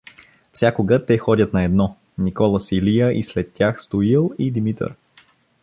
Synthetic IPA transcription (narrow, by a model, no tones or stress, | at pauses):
fsʲakoɡət̪ɛxɔd̪ʲət̪nɐɛd̪nɔ | nikɔlˠəsilijəʔislɛt̪ːʲjaxst̪oilˠid̪imit̪ə̰ɾ